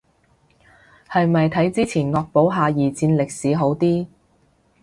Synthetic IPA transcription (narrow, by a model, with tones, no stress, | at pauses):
hɐ˨jmɐ˨jt̪ʰɐ˨˥jt͡siː˥t͡sʰiː˨˩nŋɔː˧k̚po˨˥wɦaː˨˧jiː˨˩t͡siː˧nlɪ˨k̚siː˨˥ɦo˨˥wt̪iː˥